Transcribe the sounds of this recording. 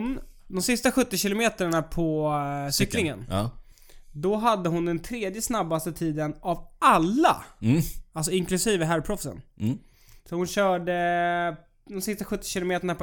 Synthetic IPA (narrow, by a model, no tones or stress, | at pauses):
nd̪ɔmsɪst̪aɧɵt̪ːɪɕɪlʊmeːt̪əɳapʰɔsʏkːlɪŋən | d̪ɔɦad̪ːəɦʊnd̪ɛnt̪ʰɾeːd̪jəsnabːast̪ət̪ʰiːd̪ənavalːa̰ | als̬ɔɪŋklɵsiːvəɦæɾpʰɾɔfsə̰n | sɔhʊnɕœːɖə | d̪ɔmsɪst̪aɧɵt̪ːɪ̥ɕɪlʊmeːt̪əɳapʰ